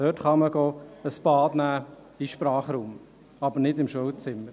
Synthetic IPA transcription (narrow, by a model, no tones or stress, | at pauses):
døtχɑməɡoːəsb̥ɑːdnæː | iʃpɾɑːχɾuːm | ɑbəɾnɪdɪmʃowt͡sɪmːəɾ